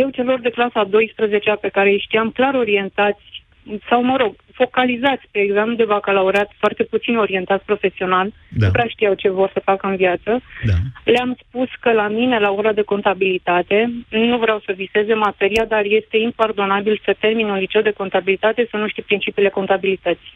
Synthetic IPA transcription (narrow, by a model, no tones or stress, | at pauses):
je̞wt͡ʃe̞lo̞rd̪e̞klasad̪o̞jspɾəze̞t͡ʃeape̞kaɾe̞jʃt̪iamklaɾo̞ɾie̞nt̪at̪sʲ | sawməɾo̞ɡ | fo̞kalizat̪sʲpeːɡzemplud̪e̞vakəlaoɾeat̪foart̪e̞put̪sino̞ɾie̞nt̪at̪sʲpɾo̞fe̞sio̞nal | upɾeaʃt̪ijawt͡ʃe̞vo̞rsəfakəɨnviat̪səaleamspuskəlamine̞lao̞ɾad̪e̞ko̞nt̪abilit̪at̪e̞nuvɾawsəvise̞ze̞mat̪e̞ɾiad̪arje̞st̪e̞impard̪o̞nabilsət̪e̞rminonɾit͡ʃeld̪e̞ko̞nt̪abilit̪at̪e̞sənuʃt̪ijpɾint͡ʃipiːle̞ko̞nt̪abilit̪ət̪si̥